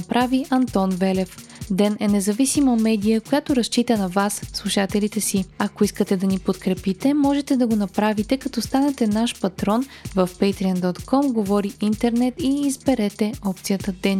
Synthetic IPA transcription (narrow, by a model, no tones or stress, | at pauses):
pɾaviʔɐnt̪ɔnvɛlɛf | d̪ɛnɛnɛzɐvisiməmɛd̪ijəkojat̪oɾɐʃt͡ʃit̪ənɐvasslˠuʃat̪ɛlit̪ɛsiɐkoiskət̪ɛd̪ɐnipot̪kɾɛpit̪ɛmɔʒɛt̪ɛd̪ɐɡonɐpɾavit̪ɛkɐt̪ɔst̪anɛt̪ɛnaʃpɐt̪ɾɔnvɐfpɛjt̪ɾiənd̪ɔt̪kɔmɡovɔɾiint̪ɛɾnɛt̪iːzbɛɾɛt̪ɛɔp̚t̪sijət̪əd̪ɛn